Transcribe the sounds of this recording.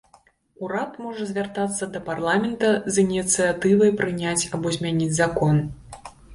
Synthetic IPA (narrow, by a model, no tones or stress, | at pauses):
uɾat̪mɔʐɐzʲvʲart̪at̪sːɐd̪ɐparlˠamʲɛnt̪ɐzinʲit̪sɨat̪ɨvɐjpɾɨnʲat͡sʲabɔzʲmʲanʲid͡zʲzakɔn